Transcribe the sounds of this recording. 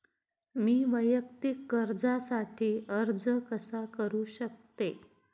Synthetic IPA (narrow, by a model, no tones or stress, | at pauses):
miːʋəjək̚t̪ikːəɾd͡zasaʈʰiːəɾd͡zəkəsakəɾuːɕək̚t̪e